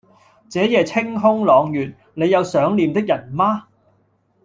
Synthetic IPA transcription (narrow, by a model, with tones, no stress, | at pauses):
t͡sɛː˨˥jɛː˨˧t͡sʰɪ˥ŋɦʊ˥ŋlɔː˨˧ŋjyː˨t̚ | ne˨˧jɐ˨˧wsœː˨˥ŋliː˨˧mt̪ɪ˥k̚jɐ˨˩nmaː˥